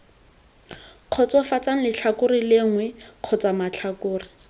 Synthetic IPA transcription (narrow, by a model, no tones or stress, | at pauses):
q͡χʰɔt͡sɔfat͡saŋ̩lɪt͡ɬʰakʊrilɪŋwɛq͡χʰɔt͡samat͡ɬʰakʊːri